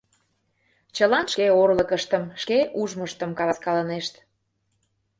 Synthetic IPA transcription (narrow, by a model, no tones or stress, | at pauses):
t͡ɕəlɑnʃkeorləkəʃt̪əmʃkeʔuʒməʃt̪əmkɑlɑskɑləneʃt̪